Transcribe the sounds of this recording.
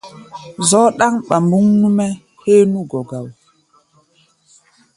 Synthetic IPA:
zɔ˨˦ɗa˦ŋɓa˨mbu˦ŋnu˦mɛ˦ | he˦nu˦ɡɔ˨ɡa˨w

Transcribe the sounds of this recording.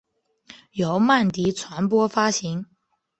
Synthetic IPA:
jo˧˥ʊma˥˩nt̪i˧˥t͡sʰwa˧˥npwɔ˥fa˥ɕi˧˥ŋ

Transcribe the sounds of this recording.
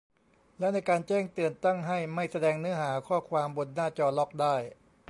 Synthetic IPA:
lɛː˦˥wna˧jkaː˧nt͡ɕɛː˥˩ŋt̪ɯ˨˩ənt̪a˥˩ŋɦa˥˩jma˥˩jsa˧dɛː˧ŋnɯ˦˥ɐɦaː˩˦kʰɔː˥˩kʰwaː˧mbo˧nːaː˥˩t͡ɕɔː˧lɔ˦˥k̚daː˥˩j

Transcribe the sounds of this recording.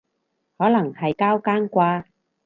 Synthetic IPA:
hɔː˨˥lɐ˨˩ŋhɐ˨jkaː˥wkaː˥nkʷaː˧

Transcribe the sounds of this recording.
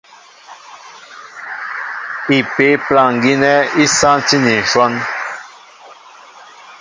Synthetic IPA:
i˨pe˨˦plã˦˨ŋ˨ɡi˦nɛ˦i˦sã˦ti˦nĩ˨ʃwɔ˦n

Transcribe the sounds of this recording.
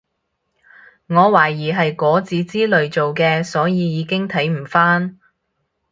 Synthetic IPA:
ŋɔː˨˧waː˨˩jiː˨˩ɦɐ˨jkɔː˨˥t͡siː˨˧t͡siː˥lɵ˨ɥt͡so˨wkɛː˧sɔː˨˥jiː˨˧jiː˨˧kɪ˥ŋt̪ʰɐ˨˥jm̩˨˩faː˥n

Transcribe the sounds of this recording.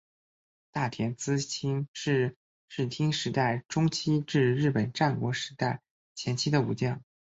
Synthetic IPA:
t̪a˥˩t̪ʰjɛ˧˥nt͡sɹ̩˥t͡ɕʰi˥nʂɻ̩˥˧ | ʂɻ̩˥˩t̪ʰi˥ŋʂɻ̩˧˥t̪a˥˩ɪʈ͡ʂʊ˥ŋt͡ɕʰi˥ʈ͡ʂɻ̩˥˧ɻɻ̩˥˩pə˨˩nʈ͡ʂa˥˩nkwɔ˧˥ʂɻ̩˧˥t̪a˥˩ɪ | t͡ɕʰjɛ˧˥nt͡ɕʰi˥d̪ə˨ṵ˧˩t͡ɕjɑ˥˩ŋ

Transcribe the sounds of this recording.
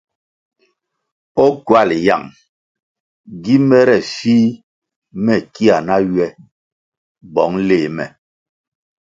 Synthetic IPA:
ɔ˦kwa˦˨li˨ja̰˦˨ŋ | ɡi˦mɛ˦ɾɛ˨fi˦ | mɛ˨ki˦a˨na˦ɥɥɛ˦ | bɔ˨˦ŋleː˨mɛ̰˨

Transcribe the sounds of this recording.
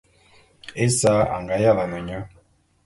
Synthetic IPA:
e˦sa˦a̰˨ŋɡa˨˦ja˦˨la˨na˨ɲa˦

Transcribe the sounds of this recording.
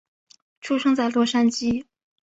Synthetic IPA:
ʈ͡ʂʰu˥ʂɤ˥ŋt͡sa˥˩ɪt̪wɔ˥ʂa˥nt͡ɕi˥˩

